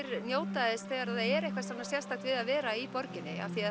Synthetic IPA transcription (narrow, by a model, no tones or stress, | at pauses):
ɾnjoːwt̪aðɪsθɛːɣaɾaððaðɛɾejhkvasamnasjɛlst̪ḁt̪vɪðaðvɛːɾaipɔɾcɪnːɪ̰a̰vθia